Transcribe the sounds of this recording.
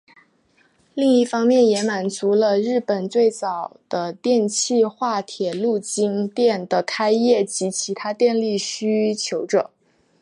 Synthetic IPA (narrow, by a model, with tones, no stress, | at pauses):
li˥˧ŋi˥˩fɑ˥ŋmjɛ˥˩njɛ˧˥ma˨˩nt͡su˧˥lə˧ɻɻ̩˥˩pə˨˩nt͡swe˥˩ɪt͡sɑ˨˩ʊd̪̥ə˦t̪jɛ˥˧nt͡ɕʰi˥˧xwa˥˩t̪ʰjɛ˨˩lu˥˩t͡ɕi˥ŋt̪jɛ˥˩nd̪ə˩kʰa˥ɪjɛ˥˩t͡ɕi˧˥t͡ɕʰi˧˥t̪ʰa˥t̪jɛ˥˧nli˥˩ɕy˥t͡ɕʰjo˧˥ʊʈ͡ʂɤ̰˨˩˦